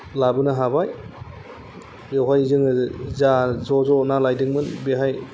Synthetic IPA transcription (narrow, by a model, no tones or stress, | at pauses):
labɯnaɦabaj | jawɦajzɯŋɯzazɔzɔnalajdɯŋmɯnbeɦaj